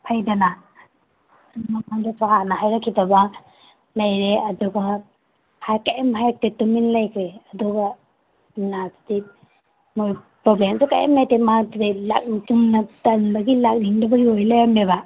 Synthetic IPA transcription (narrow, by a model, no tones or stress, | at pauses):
hajdɐna | mamaŋdasahanɐɦajɾakʰːibɐba | lɐjɾeɐduɡa | hajkajamhajak̚tetuminlajkʰɾeɐduɡa | nasti | mojpɾoblemseka̰ja̰mlajtematdela̰k̚nituŋnatanbɐɡilak̚niŋdabɐjojlajameba